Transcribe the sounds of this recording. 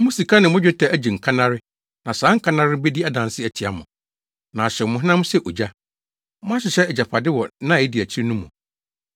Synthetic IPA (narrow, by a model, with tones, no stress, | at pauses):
mʊ̃˦si˨kʰa˦nɪ̃˨mʊ̃˦d͡ʑᶣɛ˦tʰɛ˨æ˦d͡ʑi˨ŋ̩˨kʰa˦nã˦ɾɪ˦ | nã˨sãː˨˦ŋ̩˦kʰã˦nã˦ɾɪ˦be˦di˦a˦dã˨n˨sɪ˦æ˨tʰi˨a̰˦mʊ̃˨ | nã˨ɕɛ˨mʊ̃˨ɦnã˦m˦sɛ˦ʔo˨d͡ʑa˦ | mʊ̃˦a˦ɕɪ˨ɕɛ˦ɛ˨d͡ʑa˨pʰa˨dɪ˦wɔ˨nã˦˨ɪ˦di˨æ˨t͡ɕʰi˦ɾi˦nũ˦mṵ̃˨